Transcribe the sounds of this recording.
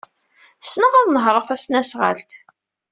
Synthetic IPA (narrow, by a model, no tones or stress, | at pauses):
snəʁʊðˤnəɦɾˤəθæsnæsʁə̰lt̪